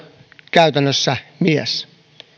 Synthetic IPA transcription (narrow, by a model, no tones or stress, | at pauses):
kæyt̪ænːøsːæmies